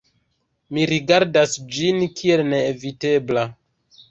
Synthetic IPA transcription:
miɾiɡaɾdasd͡ʒinkʰie̞lneːvite̞bla

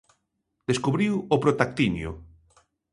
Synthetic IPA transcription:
d̪̥eskuβɾiwopɾot̪ak̚t̪injʊ̰

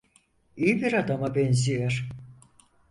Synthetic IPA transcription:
ijibiɾad̪amabɛnzijæɾ̥

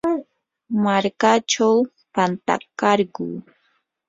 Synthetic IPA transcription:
maɾkat͡ʃaw | pant̪a̰kɑɾɢuː

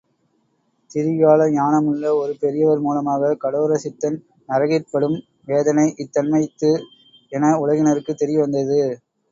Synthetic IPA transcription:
t̪ɪɾɪjaːlɐɲaːnɐmɯɭːɐɔɾɯpɛɾɪjɐʋɐɾmuːlɐmaːɣɐkɐɽoːɾɐsɪt̪ːɐn | nɐɾɐɣɪrpːɐɽɯm | ʋeːðɐnɐɪʔɪt̪ːɐnmɐɪt̪ːɯ | ɛnɐʊɻɐɣɪnɐɾɯkːɯt̪ːɛɾɪʋɐnd̪ɐðɯ

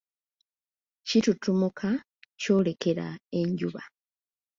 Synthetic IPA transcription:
citutumukʰa | co̞ːle̞ke̞ɾa̰e̞ɲɟuβa

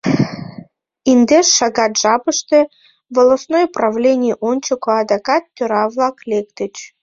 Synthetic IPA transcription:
ind̪eʂːɑɡɑt̪ʒɑpəʃt̪ĕ | volˠɐsnojpravlʲenʲɪjʔonʲt͡ɕɪkoɑd̪ɑkɑt̪ːʲøɾɑvlˠɑklʲekt̪ət͡ɕ

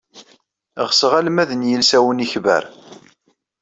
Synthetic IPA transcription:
ʁsəʁælmæðənjəlsæwəniçvæ̰ɾ

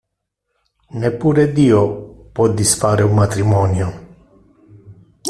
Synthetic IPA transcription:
nɛpːuɾɛd̪iɔpɔd̪isfaɾɛumat̪ɾimɔnjɔ

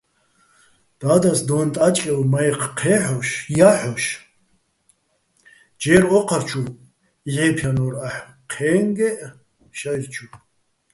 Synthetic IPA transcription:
d̪̥aːd̪asd̪ɔnt̪ʼat͡ʃʼkʼɛlmajqʰqʰɛħɔʃjaħɔʃ | d͡ʒɛɾɔqʰaɾt͡ʃʰu | iʕɛpʰjanɔɾaħ | qʰɛːŋɡɛʔ | ʃajrt͡ʃʰu

